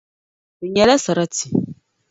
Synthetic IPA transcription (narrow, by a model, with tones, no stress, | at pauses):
i˨ɲa˨la˦sa˨ɾa˦ti̥˨